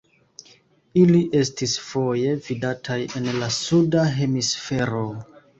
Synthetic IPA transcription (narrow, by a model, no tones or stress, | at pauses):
iliʔe̞stisfo̞je̞vidatʰaje̞nlasudaɦe̞misfe̞ɾo̞